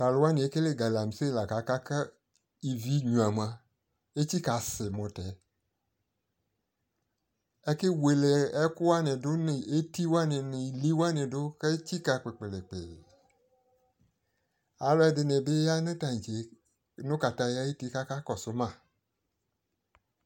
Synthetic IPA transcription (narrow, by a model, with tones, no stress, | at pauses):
ka˨lo˨˦wa˦nɪ̃˨e˦ke˦le˦ɡa˨la˨m˨se˦˨la˨ka˨ka˦ka˦ | i˨vi˦ɲũ˨a˨m˨ã˨ | e˦t͡ɕi˦ka˨sɪ˨mɔ̃˨tɛ˨ | e˦ke˦we˨le˨ɛ˦kʊ˦wa˦nɛ̃˨do˦n˨e˦t̪i˦wo˦a˦nẽ˨nɪ̃˨li˦wa˦nẽ˨do˦ke˦t͡ɕi˦ka˨k͡pe˨k͡pe˨le˨k͡pḛ˨ | a˨lɔ˦ɛ˦dɪ˨nɛ̃˨be˦ja˦nẽ˦t̪a˨ɲ̃˨t͡ʃe˨ | nʊ̃˦ka˨t̪a˦ja˦je˦t̪i˦ka˦ka˦kɔ˨sʊ˦mã˦˨